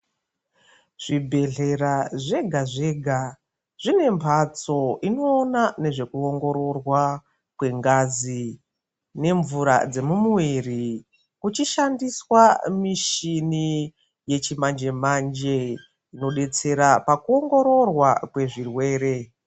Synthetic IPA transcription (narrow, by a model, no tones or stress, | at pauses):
ʐ̥ibʱe̞ɮe̞ɾaʐe̞ɡʱaʐe̞ɡʱa | ʐ̥ine̞mpʰat͡so̞ino̞ːnane̞ʐe̞kuoŋɡo̞ɾo̞rwa | kwe̞ŋɡazi | ne̞ɱvuɾa̰d͡ze̞mumuwiri | kut͡ʃiʃandiswamiʃini | je̞t͡ʃimand͡ʒe̞mand͡ʒe̞ | ino̞ɗe̞t͡se̞ɾapakuo̞ŋɡo̞ɾo̞rwakwe̞ʐirwe̞ːɾe̞